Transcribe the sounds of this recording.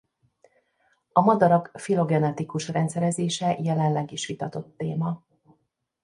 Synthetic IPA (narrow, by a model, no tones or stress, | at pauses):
ɒmɒd̪ɒɾɒkfilo̞ɡɛnɛt̪ikuʃrɛnt̪sɛɾɛzeːʃɛjɛlɛnlɛɡiʃʋit̪ɒt̪o̞t̪ːeːmɒ